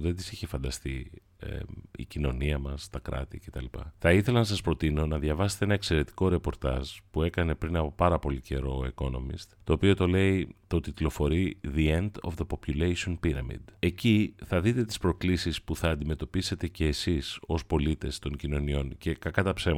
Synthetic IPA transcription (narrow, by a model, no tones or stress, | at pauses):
ðend̪isiçe̞fɐnd̪ɐst̪i | ḛḭcino̞niɐmɐst̪ɐkɾɐ̰t̪ice̞t̪ɐlipɐ̰θɐiθe̞lɐnɐs̬ɐspɾo̞t̪ino̞nɐðjʝɐvɐse̥t̪eenɐe̞kse̞ɾe̞t̪i̥ko̞ɾe̞po̞ɾt̪ɐ̰z̥pue̞kɐne̞pɾinɐpo̞pɐɾɐpo̞lice̞ɾo̞iko̞no̞̰mḭst̪t̪o̞ːpio̞t̪o̞le̞it̪o̞t̪it̪lo̞fo̞ɾiðie̞nd̪o̰vðepo̞pjulejsionpiɾɐ̰mḭd̪e̞ciθɐðit̪e̞t̪ispɾo̞klisispuθɐːnd̪ime̞t̪o̞pise̞t̪e̞ce̞ːsiso̞spo̞lit̪e̞st̪o̞ɲcino̞nio̞nce̞kɐkɐt̪ɐpse